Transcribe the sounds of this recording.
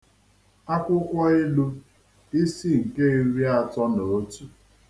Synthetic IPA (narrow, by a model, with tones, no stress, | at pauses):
a˦kʷʊ˦kʷa˦ɪ˦lu˦ | i˦si˦ŋ̩˨ke˦i˦ɾi˦a˦˨tɔ˦no˨o˦tu˦